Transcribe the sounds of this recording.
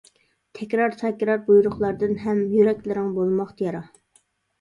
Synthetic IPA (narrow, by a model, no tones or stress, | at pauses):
t̪ʰɛkʲɾɑɾt̪ʰɛkʲɾɑɾbujɾʊχlˠɑɾd̪ɨnɦɛmjøɾɛkʲlɪɾɪŋbolˠmɑχt̪jɑɾɑ